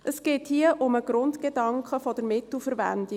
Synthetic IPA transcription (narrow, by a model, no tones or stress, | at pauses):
ʔəsɡ̥eːthiəʔʊməɡ̥ɾʊntɡ̥edɑŋkʰəfɔd̥əɾmɪtl̩ˠfəɾvæ̰ndi